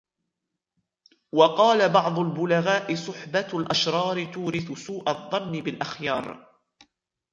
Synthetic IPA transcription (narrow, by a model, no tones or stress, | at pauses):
wɑqɑːlabɑʕd̪ˤʊlbʊlaɣaːʔɪsˤʊħbalʔaʃɾˤɑːɾɪt̪uːɾɪθʊsuːʔaðˤːɑnːɪbɪlʔaxjɑːɾˤ